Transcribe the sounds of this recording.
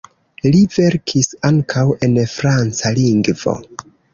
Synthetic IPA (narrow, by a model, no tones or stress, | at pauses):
live̞ɾkʰisaŋkʰawe̞nfɾant͡saliŋɡvo̰